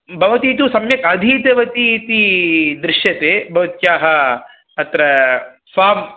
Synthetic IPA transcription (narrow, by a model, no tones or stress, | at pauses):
bʱɐʋɐt̪iːt̪usɐmjɐkɐd̪ʱiːt̪ɐʋɐt̪it̪id̪ɾɪʃjɐt̪eːbʱɐʋɐt̪̚kjaːɦɐ | ɐt̪ɾɐ | faːm